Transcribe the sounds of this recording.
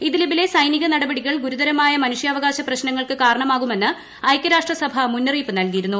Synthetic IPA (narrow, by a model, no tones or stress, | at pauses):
iðilɐbile̞sɐjniɣɐnɐɽɐbɐɽiɣɐɭɡuɾud̪ɐɾɐmaːjɐmɐnuʂjɐːʋɐɣaːɕɐprɐɕnɐŋːɐɭkɨkaːɾɐɳɐmaːɣume̞nːɨ | ɐjkʲːɐɾaːʂʈrɐsɐbʱɐmunːɐriːpːɨnɐlkijiɾunːu